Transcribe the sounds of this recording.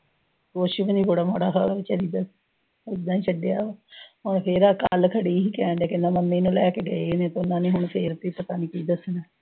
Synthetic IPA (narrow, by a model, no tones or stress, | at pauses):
koːʃibniːboɽaːmoːɽaːkʰaːɽaːʋɪt͡ʃəliːd̪əs | ɪd̪ãːiːt͡ʃʰəɖeaːɦʊɳpʰɪɾaːkəlkʰəɽiːiːkɛːɳɖɛːkɪnːãːməmːeːnũːlɛːkeːɡəeːnẽːt̪ʊnːãːnĩːɦʊɳpʰeːɾt̪iːpət̪aːniːkiːd̪əsnɛː